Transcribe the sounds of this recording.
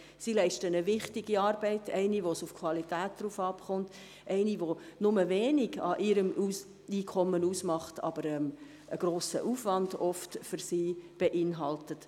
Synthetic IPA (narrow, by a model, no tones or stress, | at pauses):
silɛɪʃtənəʋɪχtiɡiɑːɾbɛɪtɛɪniʋosufkʰwɑlitæːt̚d̥ɾuːfɑːpχɔnt | ʔɛɪniʋonʊməʋeːniɡɑ̰ʔɪɾəmus | iːkʰɔmːənuːsmɑχtɑ̰b̥əɾɛm | əɡ̥ɾoːsə̰ʔuːfʋɑndɔftfʏɾsiːb̥ɛʔɪnɦɑltət